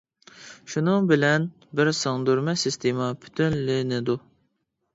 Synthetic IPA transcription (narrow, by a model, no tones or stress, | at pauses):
ʃunɨŋbɪlɛn | bɪɾsɑŋd̪uɾmɛsist̪ʰemɑpʰy̥t̪ʰynlɪnɪd̪u